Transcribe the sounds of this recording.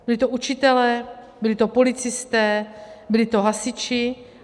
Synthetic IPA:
bɪlɪt̪oʔut͡ʃɪt̪ɛlɛː | bɪlɪt̪opolɪt͡sɪst̪ɛːbɪlɪt̪oɦasɪt͡ʃɪ

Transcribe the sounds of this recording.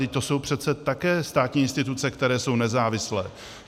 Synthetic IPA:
ɪt̪o̞so̞wpr̝̥ɛt̪sɛt̪akɛːst̪aːt̪ɲiːɪnst̪ɪt̪ut͡sɛkt̪ɛɾɛːso̞wnɛzaːvɪslɛː

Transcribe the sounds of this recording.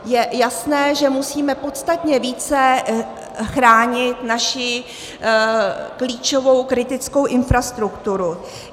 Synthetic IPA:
jɛjasnɛːʒɛmusiːmɛpo̞t̪st̪at̪ɲɛviːt͡sɛ | xɾaːɲɪt̪naʃɪ | kliːt͡ʃo̞vo̞wkɾɪt̪ɪt͡sko̞wʔɪnfɾast̪ɾukt̪uɾu

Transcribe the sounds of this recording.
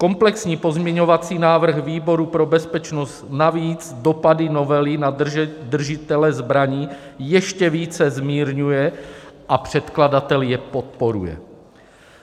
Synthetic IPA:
ko̞mplɛksɲiːpo̞zmɲɛɲovat͡siːnaːvr̩ɣviːbo̞ɾupɾo̞bɛspɛt͡ʃnost̪naviːd͡zdo̞padɪno̞vɛlɪnad̪r̩ʒɪt̪ɛlɛzbɾaɲiːjɛʃcɛviːt͡sɛzmiːɾɲujɛʔapr̝̥ɛt̪kladat̪ɛljɛpot̪̚poɾṵjɛ̰

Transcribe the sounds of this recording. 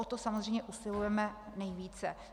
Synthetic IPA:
ot̪osamozr̝ejmɲɛʔusɪlujɛmɛnɛjviːt͡sɛ

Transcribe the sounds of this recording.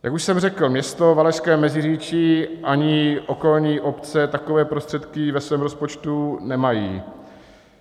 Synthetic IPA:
jakuʃsɛmrɛkl̩mɲɛst̪o̞valɛʃskɛːmɛzɪriːt͡ʃiʔaɲɪʔo̞ko̞lɲiːʔo̞pt͡sɛt̪akovɛːpɾo̞st̪r̥ɛt̪kɪvɛsvɛːmɾospo̞t͡ʃt̪unɛmajḭː

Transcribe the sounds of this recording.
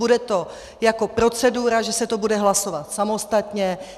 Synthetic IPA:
udɛt̪o̞ | jako̞pɾo̞t͡sɛduːɾaʒɛsɛt̪o̞budɛɦlaso̞vat̪samo̞st̪at̪ɲɛ

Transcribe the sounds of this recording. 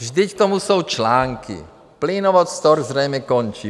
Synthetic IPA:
ʒd̪ick̚t̪ɔmusuwt͡ʃlaːŋkḭ | pliːnɔʋɔt̪st̪ɔɾzɾɛjmɛkɔnt͡ʃi

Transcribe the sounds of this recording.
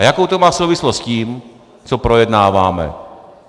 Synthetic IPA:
jakowt̪omaːfsowvɪslostsciːm | t͡sopɾo̞jɛdnaːvaːmɛ̰

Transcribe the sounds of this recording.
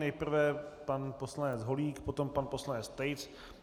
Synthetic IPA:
nɛjpr̩vɛpanposlanɛd͡zɦoliːkpot̪o̞mpanposlanɛt͡st̪ɛjt͡s

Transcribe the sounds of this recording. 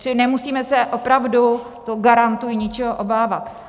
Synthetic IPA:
ɪnɛmusiːmɛsɛʔo̞pɾavdu | t̪oɡaɾant̪ujɪɲɪt͡ʃɛɦoʔobaːvat̪

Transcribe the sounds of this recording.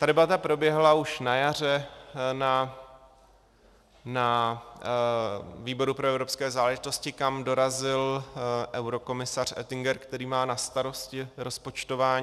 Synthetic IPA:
t̪adɛbat̪apɾo̞bjɛɦlauʃnajar̝ɛna | na | viːbo̞ɾupɾoɛvɾo̞pskɛːzaːlɛʒɪt̪o̞scɪkamdo̞ɾazɪlʔɛwɾo̞ko̞mɪsar̝ɛ̰t̪ɪŋɡɛɾkt̪ɛɾiːmaːnast̪aɾo̞scɪɾo̞spo̞t͡ʃt̪o̞vaːɲː

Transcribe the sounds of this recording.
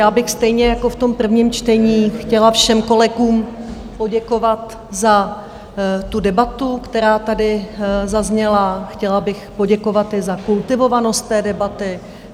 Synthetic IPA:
jaːbɪxst̪ɛjɲɛjako̞ft̪o̞mpr̩vɲiːmt͡ʃt̪ɛɲiːxcɛlafʃɛmko̞lɛɡuːm | po̞ɟɛko̞vat̪ | za | t̪udɛbat̪ukt̪ɛɾaːt̪adɪzazɲɛlaxcɛlabɪxpo̞ɟɛko̞vat̪ɪzakult̪ɪvo̞vano̞st̪ːɛːdɛbat̪ɪ

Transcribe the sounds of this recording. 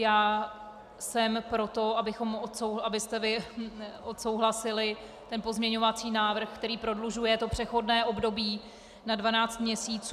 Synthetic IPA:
jaː | sɛmpɾo̞t̪o̞abɪxo̞mot̪sowabɪst̪ɛvɪʔot̪so̞wɦlasɪlɪ | t̪ɛnpo̞zmɲɛɲo̞vat͡siːnaːvr̩xkt̪ɛɾiːpɾo̞dluʒujɛt̪o̞pr̥ɛxo̞dnɛːʔo̞bdo̞biː | nadvanaːt͡st̪mɲɛsiːt͡s

